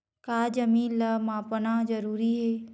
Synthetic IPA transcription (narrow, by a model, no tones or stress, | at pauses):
kaːd͡ʒɐmĩːləmãːpənad͡ʒɐɾuːɾiɦeː